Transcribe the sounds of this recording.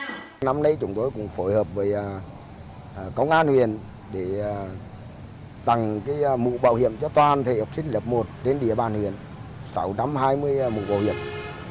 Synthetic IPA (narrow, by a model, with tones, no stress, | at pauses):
na˧mnə˧jt͡ɕʊ˨˧˦ŋ͡mt̪o˧˦jkʊ̰˧˥ŋ͡mfo˧˩jhəː˨˩p̚vəː˨˦jː | kə˧wŋ͡mʔaː˧nhwḭ˧˨ən | ɗeː˧˩˨ | t̪a˨˩ŋkaː˨˦jmṵ˧˨ɓa̰ː˧˨whḭ˧˨əmt͡ɕɔ˧t̪waː˨˩nt̪ʰḛ˧˨hə˨˩wk͡p̚sï˧ŋ̟ləː˨˩p̚mo˨˩t̚te˧nɗḭ˨˧˩əɓaː˨˩nhwi˧˨ən | sa̰˨˦wt͡ɕa˧mɦaː˧jmɨ˧əjmṵ˧˨ɓa̰˧˨whḭ˧˨əm